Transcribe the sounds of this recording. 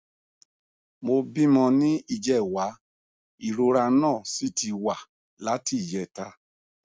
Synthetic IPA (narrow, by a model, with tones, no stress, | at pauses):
mo˧bĩ˦mɔ̃˧nĩ˦i˧d͡ʒɛ˦˨wa˨˦ | i˨ɾo˧ɾa˧˦nãː˦˨si˦ti˧wa˨ | la˨˦ti˦˨jɛ˧˨ta˧˦